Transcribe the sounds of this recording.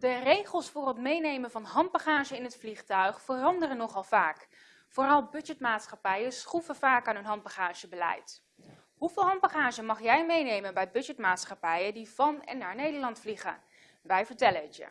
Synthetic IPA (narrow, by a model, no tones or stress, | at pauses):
dərejχəlˠsfʊːrɦətmejnejmənvɑnɦɑnd̚baχaːʒəɪnɦətfliχtœɥχfərɑndərənɔχɑlˠv̥aːk | foːrɑlˠbɵd͡ʒɛtmaːtsχɑpɛjəsχuvəvaːkaːnɦənɦɑn̚baχaːʒ̥əbəlɛ̰jt | ɦuvɪːlˠɦɑn̚baχaːʒəmɑχjɛjmejnejmənbɛjbɵd͡ʒɛtmaːtsχɑpɛjədiv̥ɑnɛ̰nːaːɹnejdəɹlɑntfliχə̰ | ʋɛjvəɹtɛləətjə̰